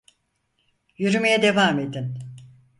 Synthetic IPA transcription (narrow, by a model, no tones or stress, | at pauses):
jyɾymejɛd̪e̞vaːme̞d̪in